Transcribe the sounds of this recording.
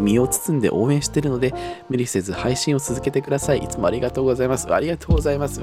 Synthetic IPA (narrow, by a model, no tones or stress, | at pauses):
mʲio̞ːt͡sɨ̥t͡sɨ̃nd̪e̞̰ʔo̞ːẽ̞ɰ̃ɕi̥t̪e̞ɾɯ̟no̞d̪e̞mɯ̟ɾʲise̞zɨhaiɕĩo̞t͡sɨzɨke̞t̪e̞kɯ̟d̪asaiʔḭt͡sɨmo̞aɾʲiɡat̪o̞ːɡo̞zaimasɨa̰ɾʲiɡat̪o̞ːɡo̞zaimasɨ